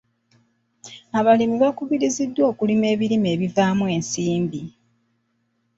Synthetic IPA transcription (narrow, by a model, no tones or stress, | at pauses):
aβalimiβakuβiɾizidːwo̞ːkulime̞ːβiɾime̞ːβivaːmwe̞ːnsiːmbi